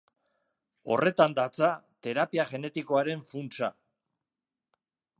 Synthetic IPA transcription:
o̞̰re̞t̪and̪at͡sat̪e̞ɾapiaʝe̞ne̞t̪iko̞aɾe̞ɱfunt͡sa̰

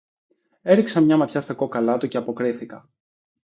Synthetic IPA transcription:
e̞ɾiksɐmɲɐmɐt̪çɐst̪ɐko̞kɐlɐt̪uce̞ɐpo̞kɾiθikɐ

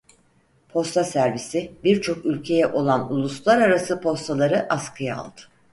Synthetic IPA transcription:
pʰo̞st̪ʰasæɾvisibiɾt͡ʃʰo̞kylʲcʰe̞jɛʔo̞lˠanulˠuslˠaɾaɾasɯpʰo̞st̪ʰalˠaɾɯʔaskʰɯja̰ːlˠd̪ɯ̥

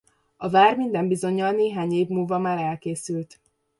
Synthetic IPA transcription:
ɒvaːrmind̪ɛmbizo̞ɲːɒlneːɦaːɲeːbmulvɒmaːɾɛlkeːsylt̪

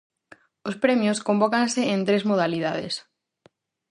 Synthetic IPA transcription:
ospɾemjoskombɔkanseẽnt̪ɾezmoð̞aliðaðḛs

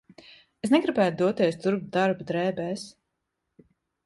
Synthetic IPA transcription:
esnɛɡɾibæːt̪̚d̪uɔt̪ɛst̪uɾp̚t̪̚d̪aɾbd̪ɾɛːbɛːs

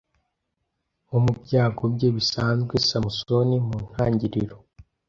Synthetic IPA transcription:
umubɟaːɡobɟeβisaːnzɡwesamuso̞nimuːn̥haːɲɟiɾiɾo

